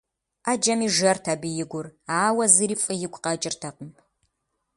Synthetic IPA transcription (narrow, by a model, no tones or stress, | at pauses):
ad͡ʒɐmiːʒɐrtʰɐbɨjɪɡʷʊraːwɐzɨɾifʼɨjɪɡʷʰʼqɐt͡ʃʼɪrtʰɐqəm